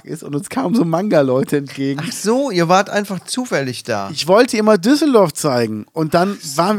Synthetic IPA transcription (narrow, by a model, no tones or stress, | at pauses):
kɪ̰stʊntʊnskʰaːmənzoːmaŋɡalɔʏtʰəɛntɡ̥eːɡŋaχz̥oːiːɐvaːɐtʔa̰ɪnfaχt͡suːfɛlɪçd̥a̰ːɪçv̥ɔltʰəɪmɐdʏsl̩dɔɐft͡saɪɡŋ̩ʔʊnt̚d̥anvaːʁən